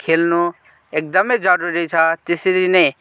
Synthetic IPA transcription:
kʰelnu | ek̚d̪ʌmʌjd͡zʌɾuɾit͡sʰʌt̪esʌɾinʌj

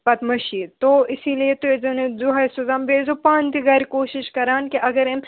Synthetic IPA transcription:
pɐt̪mɐʃit̪oɪsiliet̪oezɐned͡zuɦɐsozaːmbeːzopãːnt̪iɡaːɾikoːʃɪʃkɐɾaːnkiʔɐɡəɾem

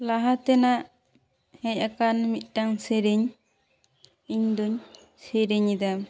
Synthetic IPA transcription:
laɦat̪ɛnaʔ | hɛɲakanmit̪̚ˀʈaŋseɾeɲ | iɲd̪uɲ | seɾeɲid̪am

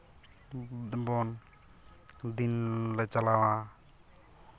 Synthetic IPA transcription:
bɔn | d̪inlɛt͡ʃalawa

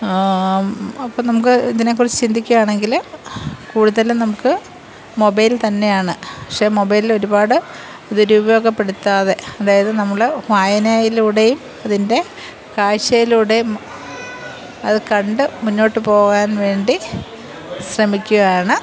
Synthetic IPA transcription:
ɐpːonɐmuk̬ːɨiðine̞kːurit͡ɕːɨt͡ɕind̪ʱikʲːuɣaːɳe̞ŋɡil | kuːɽuðɐlnɐmukːɨ | mobɐjlt̪ɐnːe̞jaːɳɨpɐkʂe̞mo̞bɐjlilo̞ɾubaːɽɨ | d̪uɾubɐjo̞ːɡɐpːe̞ɽut̪ːaːðe̞ɐðaːjɐðɨnɐmːɐɭʋaːjɐnaːjiluɽejum | ɐðinde̞ | kaːɻɕɐjiluɽejum | ɐðɨkɐɳɖɨmunːo̞ːʈːɨpo̞ːɣaːnʋe̞ːɳɖi | ɕrɐmikʲːuɣaːɳɨ

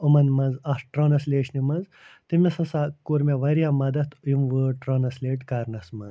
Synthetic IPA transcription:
umɐnmɐnzɐsʈɾoːnɐsleːʂʰnimɐnz | t̪imʲesɐsaːkuɾmʲeʋɐɾijamɐd̪ɐt̪ʰjumʋəːʈɾoːnɐsleːʈɡɐːɾnɐsmɐnz

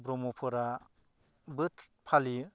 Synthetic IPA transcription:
bɾɔmɔpʰɔɾa | bɯt̪ʰpʰali

